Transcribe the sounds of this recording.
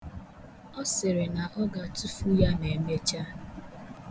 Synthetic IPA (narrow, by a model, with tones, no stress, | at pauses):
ɔ˦sɪ˨ɾɪ˨na˨ʔɔ˦ɡa˨tu˦fu˦ja˦ne˨˦m˦e˦t͡ʃa˦